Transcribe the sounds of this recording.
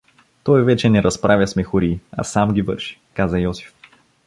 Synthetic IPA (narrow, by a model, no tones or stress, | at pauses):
t̪ɔjvɛt͡ʃɛnɛɾɐspɾʔavʲjɐsmɛxʊɾiːɐ̰samɡʲivɤ̰ɾʃi̥kazɐjɔsi̥f